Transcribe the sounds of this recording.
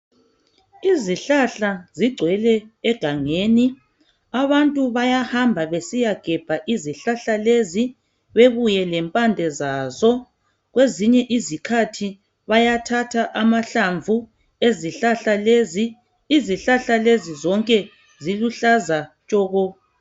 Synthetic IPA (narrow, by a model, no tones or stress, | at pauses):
iziɬaɬaziɡ͡ǀʱwɛlɛːɡ̥ʱaŋeːni | aβantʼuβajahambʱaβesijaɡ̥ʱɛb̥ʱaʔiziɬaɬalezi | βeβujɛlɛmpʼandʱɛzaːzɔ | ɣweziɲɛʔizikʰatʰi | βajatʰatʰaʔamaɬaɱvʱu | eziɬaɬaleziː | iziɬaɬalezizɔŋkʼɛ | ziluɬazat͡ʃʼɔːɣɔ